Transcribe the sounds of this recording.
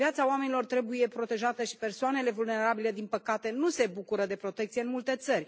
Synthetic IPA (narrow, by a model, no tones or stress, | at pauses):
vjat̪saoame̞nilo̞rt̪ɾe̞buje̞pɾo̞t̪e̞ʒat̪əʃi̥pe̞rsoane̞le̞vulne̞ɾabile̞d̪inpəkat̪e̞nuse̞bukuɾəd̪e̞pɾo̞t̪e̞k̚t̪sijeɨnmult̪e̞t̪sərʲ